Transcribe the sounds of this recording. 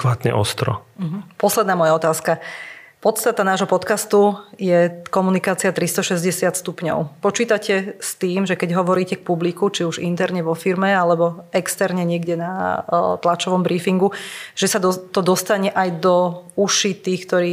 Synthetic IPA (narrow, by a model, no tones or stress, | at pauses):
kʋaːt̪ɲɛ̰ʔɔ̰st̪ɾɔ̰ɦ̩pɔslɛd̪naːmɔjaɔt̪aːska | pɔt̪st̪at̪anaːʒɦɔpɔt̪kast̪ujɛkɔmunikaːt͡siat̪ɾist̪ɔʃɛzɟɛsɪat̪st̪upɲɔ̰ʊpɔt͡ʃiːt̪acɛst̪iːmʒɛkɛɟɦɔʋɔɾiːcɛk̚publikut͡ʃiuʒḭnt̪ɛɾɲɛʋɔfiɾmɛalɛbɔɛkst̪ɛɾɲɛɲɪɛɡɟɛnat̪lat͡ʃɔʋɔmbɾiːfiŋɡuʒ̥ɛsat̪ɔd̪ɔst̪aɲɛʔajd̪ɔuʃit̪iːxkt̪ɔɾiː